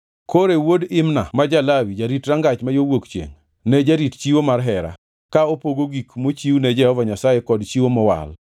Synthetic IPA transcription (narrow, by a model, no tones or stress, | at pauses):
koɾewodɪmna̰mad͡ʒalawid͡ʒaɾitɾaŋɡat͡ʃmajowokt͡ʃjḛŋ | nɛd͡ʒaɾitt͡ʃiwomarɦɛɾa̰ | kaopoɡoɡikmot͡ʃiwnɛd͡ʒɛhɔvaɲasajekɔdt͡ʃiwomɔwa̰l